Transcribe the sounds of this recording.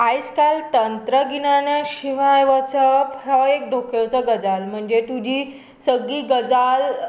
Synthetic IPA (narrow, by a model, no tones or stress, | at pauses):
ajskalt̪ənt̪ɾəɡinanaɕiʋajʋat͡sapʰɾəek̚ɖ̪ʱokjewt͡səɡəd͡zalm̤əɳd͡zet̪ud͡ʑiː | səɡiːɡəd͡zal